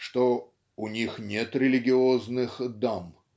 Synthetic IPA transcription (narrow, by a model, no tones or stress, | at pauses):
ʂt̪o | ʊnʲixnʲet̪ɾʲɪlʲɪɡʲɪoznɨxd̪am